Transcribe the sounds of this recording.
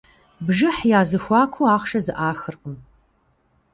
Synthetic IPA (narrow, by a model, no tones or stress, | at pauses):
bʒɨħjaːzɨxʷɑːkʷʰuaːχʷʂɐzɨʔaːxɨrqʼəm